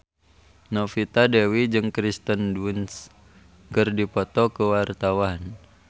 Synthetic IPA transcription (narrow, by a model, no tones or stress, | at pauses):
nɔfit̪adɛwid͡ʒɨŋkɾist̪ənduns | kɨrdipɔt̪ɔkəwart̪awan